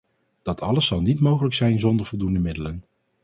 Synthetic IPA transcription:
d̥ɑtʰɑləsːɑlˠnitmowχələksɛjnzɔndəɹv̥ɔlˠdundəmɪdələn

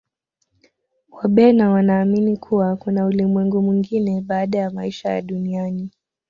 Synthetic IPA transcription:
kwaɓɛnawanaːminikʰuwakunaulimwɛŋɡumwiŋɡinɛɓaːɗajamaiʃaja̰ɗuniani

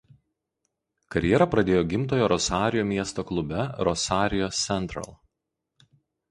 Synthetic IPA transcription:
kɐɾʲjɛɾɐpɾɐd̪ʲeːjoːɡʲɪmt̪oːjoːɾɔsɑːɾʲɪjoːmʲiɛst̪oːklˠʊbʲɛɾɔsɑːɾʲɪjoːsːʲɛnʲt̪ʲɾɐ̰lˠ

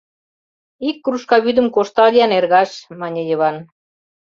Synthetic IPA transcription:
ikːruʃkɑβyd̪ə̆mkoʃt̪ɑlʲijɑnerɣɑʃmɑnʲejəβɑn

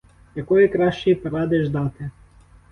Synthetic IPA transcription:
ɛkɔjɛkɾaʃipɾad̪ɛʒd̪at̪ʰɛ

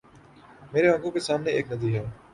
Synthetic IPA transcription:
meːɾeɦɐ̃ŋɡõkesaːmneeːknɐziːɦɛː

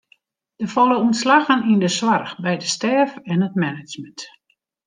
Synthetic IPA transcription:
d̥əfɔlˠəuənslaɣənindəswarxbɛjdəstɛːfɛnət̚mɛnɪt͡ʃmənt

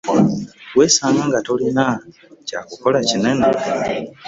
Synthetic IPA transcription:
weːsaːŋɡaŋɡatolina | ca̰ːkuko̞lacinene

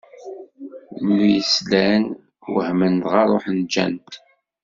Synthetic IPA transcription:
nujəslæn | wə̰hmənt̪ʁɑɾˤoħnd͡ʒæ̰nt̪

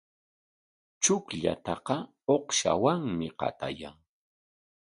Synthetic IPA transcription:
t͡ʃʊkʎa̰t̪ɑqɑ | oqʃa̰waŋmɪqɑ̰t̪ajaŋ

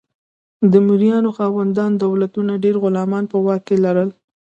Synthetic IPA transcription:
d̪əmuɾijɑnoxɑwand̪ɑnd̪awlat̪unaɖeɾɣʊlɑmɑnpəwɑkːelaɾəl

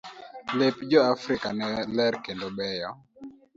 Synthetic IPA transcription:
lepd͡ʒɔafɾika̰nɛlɛɾkendobɛjɔ

